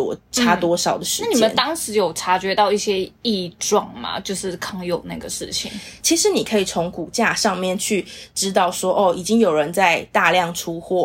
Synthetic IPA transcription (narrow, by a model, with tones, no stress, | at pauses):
ɔ̰˨˩ʈ͡ʂʰa˥t̪wɔ˥ʂɑ˨˩ʊd̪ə˦ʂɻ̩˥a˥˩ni˨mə˨˦nt̪ɑ˥ŋʂɻ̩˧˥jo˨˩ʊʈ͡ʂʰa˧˥t͡ɕɥɛ˧˥t̪ɑ˥˧ʊi˥˩ɕjɛ˦˥i˥˧ʈ͡ʂwɑ˥˩ŋma̰˩t͡ɕjo˥˧ʊʂɻ̩˥˩kʰɑ˥ŋjo˨˩ʊna˥˩ɡə˩ʂɻ̩˥˩t͡ɕʰḭ˨˦ŋt͡ɕʰi˧˥ʂɻ̩˧˨˥ni˨˩kʰə˧˥i˨˩t͡sʰo˧˦˥ŋku˨˩t͡ɕja˥˧ʂɑ˥˧ŋmjɛ˥˨nt͡ɕʰy˥˩ʈ͡ʂɻ̩˥t̪ɑ˥˩ʊswɔ˥ʔɔ˥˩i˨˩t͡ɕi˦ŋjo˨˩ʊɻə˧˦nt͡sa˥˧ɪt̪a˥˧ljɑ˥˩ŋʈ͡ʂʰu˦xwɔ˥˩